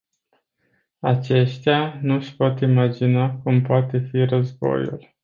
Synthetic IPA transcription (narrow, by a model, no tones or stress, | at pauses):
at͡ʃe̞ʃt̪eanuʃpo̞t̪imad͡ʒinakumpoat̪e̞firəzbo̞̰jṵl